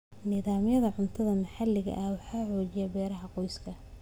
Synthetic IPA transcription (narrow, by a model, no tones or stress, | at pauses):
nɪðaːmjɐðɐʕʊnt̪ʰɐðɐmɐħɑlɪɣɐ̰ʔɐwɑħɑːħɔːt͡ʃɪjɐbɛːɾɐɦɐqɔjskʰɐ